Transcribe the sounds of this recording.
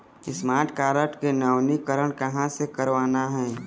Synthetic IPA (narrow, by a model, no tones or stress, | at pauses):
ɪsmaːɾʈkaːɾəʈkenəwnikəɾəɽ̃kɐɦãsekəɾʋaːnaɦɛ̃ː